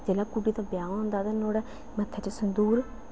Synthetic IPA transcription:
d͡ʒeːlaːkuɖiːt̪aːbjãːʋɦʊ̃nd̪aːt̪anoːɽɛ | mət̪ʰːɛt͡ʃasənd̪uːɾ

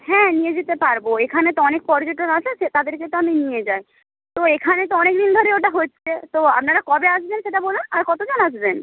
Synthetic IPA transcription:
hɛ̃nijed͡ʑet̪epaɾboekʰanet̪oɔnek̚pɔɾd͡ʑoʈːonat͡ɕʰeʃet̪ad̪eɾket̪oaminijed͡ʑae | t̪oekʰanet̪oɔnek̚d̪ind̪ʱoɾeoʈaɦotːt͡ɕʰet̪oa̰pnaɾakɔbeaʃbenʃeʈabolunaɾkɔt̪od͡ʑonad͡ʑben

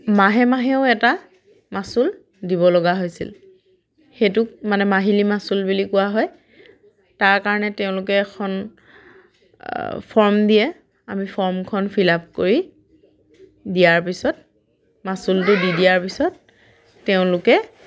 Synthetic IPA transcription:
maɦɛmaɦɛʊ̃ɛta | masul | diβɔlɔɡaɦojsḭl | xetʊk̚manɛmaɦilimasulbulikʊwaɦɔj | taɹkaɹɔnɛteʊ̃lʊk̬ɛːkʰɔn | pʰɔɹmdijɛ | amipʰɔɹmkʰɔnpʰilap̚koɹi | dijaɹpisɔt | masultʊdidijaɹpisɔt̚ː | eʊ̃lʊkɛ

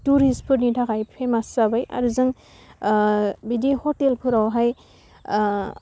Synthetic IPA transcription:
tuɾispʰɯɾnitʰakʰajpʰemasabaja̰ɾuzɯŋ | bidihɔtelpʰɯɾawɦaj

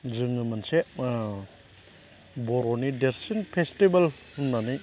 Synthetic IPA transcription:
zɯŋɯmɐnseʔ | bɔɾɔnideɾsinpʰestibɐl | umnani

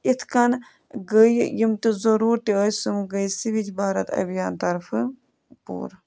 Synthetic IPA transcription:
it̪ʰkɐn | ɡəjjimt̪izɐɾuːɾt̪eəːsɨmɡəjsiʋit͡ʃʰbaːɾɐt̪ɐ̰bijaːnt̪ɐɾfʰɨ | pṵːɾ

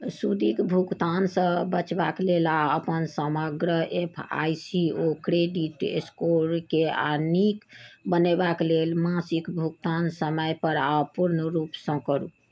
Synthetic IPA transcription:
sud̪ʱikbʱukt̪ansə̃bət͡ʃbaklelaəpənsəməɡɾəʔepʰa̰jsiokɾeɖiʈḛskoɾkea̰nikbənebaklelmãsikbʱuk̚t̪ansəməjpəɾawpuɾnəɾupsə̃kəɾṵ

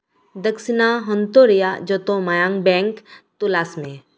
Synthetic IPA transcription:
d̪əksɪnaɦɔ̃nt̪oɾijad͡ʒɔt̪õmajãːŋbɛ̃ŋkt̪ulasmẽ

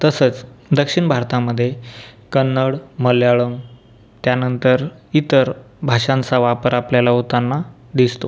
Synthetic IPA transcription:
t̪əsət͡sd̪əkʂiɳbʱaɾt̪aməd̪ʱːjekənːəɽməljaɭəm | t̪janənt̪əɾit̪əɾ | bʱaʂãnt͡saʋapəɾapljalaɦut̪anːa | d̪ist̪o

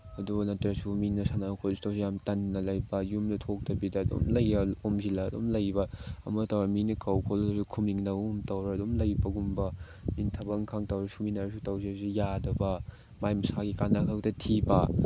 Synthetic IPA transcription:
ɐdubɐnɐtɾɐsuminːɐsanakʰolsu̥tɐwsijamtɐnːɐlɐjbɐjumdɐtʰok̚dɐbidɐːdo̰mlɐjɐomzilɐːdomlɐjbɐɐ̰mɐtɐwɾɐminɐkɐwkʰolɐsukʰumiŋnɐumtɐwɾɐɐdomlɐjbɐɡumbɐ | mintʰɐbɐŋkʰaŋtɐwɾɐsuminɐɾɐsutɐwsisujadɐbɐ | majmɐsaɡikanakʰɐktɐtʰibɐ̰

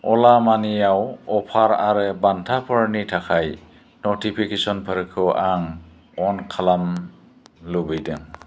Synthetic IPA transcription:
ɔlamanijawɔpʰaɾa̰ɾɯbantʰapʰɔɹnitʰakʰaj | nɔtipʰikesɔnpʰəɾkʰɯʔaŋ | ɔnkʰalam | lubɯjdɯŋ

